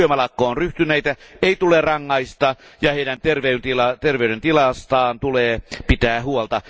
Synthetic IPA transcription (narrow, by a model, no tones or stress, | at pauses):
ømælɑkːoːnryht̪yneit̪æeit̪ulerɑŋːɑist̪ɑjɑheidænt̪erʋeynt̪ilɑt̪erʋeydent̪ilɑst̪ɑːnt̪uleːpit̪æːhuolt̪ɑ